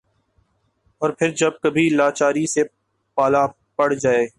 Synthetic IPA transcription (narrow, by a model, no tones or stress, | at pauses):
ɔːɾpʰɪɾd͡ʒɐb̚kɐbʱilaːt͡ʃaːɾise | paːla | pɐɽ̤d͡ʒaːeː